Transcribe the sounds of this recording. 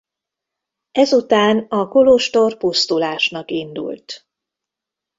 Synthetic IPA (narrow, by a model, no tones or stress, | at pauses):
ɛzut̪aːnɒkoloʃt̪o̞rpust̪ulaːʃnɒkind̪ṵlt̪